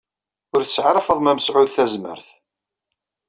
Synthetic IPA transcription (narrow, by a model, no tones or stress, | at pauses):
ʊɾθəsʕaɾæfəðˤmæməsʕʊðθæzmə̰ɾθ